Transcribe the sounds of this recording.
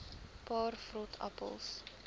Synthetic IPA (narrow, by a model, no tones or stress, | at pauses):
pɑːrfrɔtʰa̰pə̰lˠs